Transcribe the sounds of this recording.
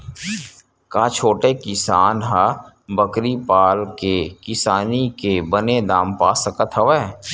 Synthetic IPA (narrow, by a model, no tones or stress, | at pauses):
kaːt͡ʃʰoːʈekɪsaːnɦa | bəkɾipaːlkekɪsaːnikebəned̪aːmpaːsəkət̪ʰɐʋa